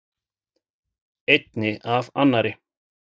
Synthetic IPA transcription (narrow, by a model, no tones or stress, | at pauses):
ejt̪nɪʔava̰nːaɾɪ